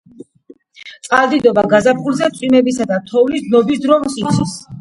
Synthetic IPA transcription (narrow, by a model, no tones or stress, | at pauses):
t̪sʼqʼald̪id̪ɔbaɡazapχulzɛt̪sʼwimɛbisad̪at̪ʰɔvlisd̪nɔbis̬d̪ɾɔmusit̪sʰis